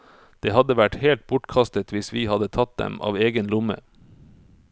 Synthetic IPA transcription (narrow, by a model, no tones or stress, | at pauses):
d̪̥eːhɑd̪əʋæʈheːlt̪̚bʊʈkʰɑst̪ət̪ʋɪsʋiːhɑd̪ət̪ʰɑt̪̚d̪ɛ̰mɑ̰ːʋeːɡənlʊmə̰